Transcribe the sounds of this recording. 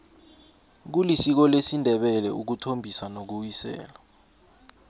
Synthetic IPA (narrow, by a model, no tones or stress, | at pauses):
k̬ulisik̬ɔlesindʱɛɓɛlɛ̰ʔuk̬utʰombʱisanok̬uwisɛ̰ːla